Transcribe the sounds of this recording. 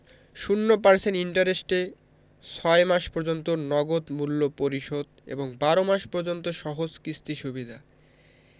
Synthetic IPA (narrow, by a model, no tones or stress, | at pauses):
ʃunːopaɾsʰeniɳʈaɾesʈe | t͡ɕʰɔemaʃpoɾd͡ʑont̪onɔɡod̪mulːopoɾiʃod̪ḛboŋbaɾomaʃpoɾd͡ʑont̪oʃɔɦod͡ʑkɾist̪iʃubid̪ʱa